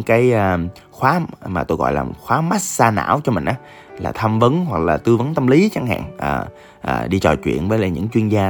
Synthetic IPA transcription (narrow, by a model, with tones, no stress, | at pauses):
ŋkaː˨˦jʔəː˧ | xwaː˨˦maː˨˩t̪o˧jɣɔ̰˧˨jlaː˨˩xwaː˨˦ma˦˥t̚saː˧na̰ː˧˥wt͡ɕɔ˧mï˨˩ŋ̟ʔaː˨˦ | laː˨˩t̪ʰa˧mvə˨˦nɦwa˨˩k̚laː˨˩t̪ɨ˧və˨˦nt̪ə˧mli˨˦t͡ɕa˨˦ŋha̰ː˧˨ŋʔəː˨˩ | ʔə̰ː˨˩ɗi˧t͡ɕɔ˨˩t͡ɕwḭ˧˨ənvəː˨˦laː˨˩ɲɨ̰˧˥ŋt͡ɕwi˧ənzaː˧